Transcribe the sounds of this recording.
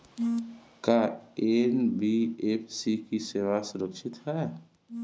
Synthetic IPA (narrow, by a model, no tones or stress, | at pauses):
kaenbiepʰsikiseːʋasʊɾəkʃɪt̪ɦɛ